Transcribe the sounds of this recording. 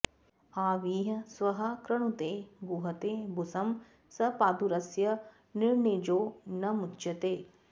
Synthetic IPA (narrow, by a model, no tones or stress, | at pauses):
aːʋiːɦɐsʋɐɦɐ̆kɾɐɳ̃ut̪eːɡuɦɐt̪eːbusɐm | sɐpaːd̪uɾɐsjɐ | niɾɳed͡ʒoːnɐmutːt͡ʃɐt̪eː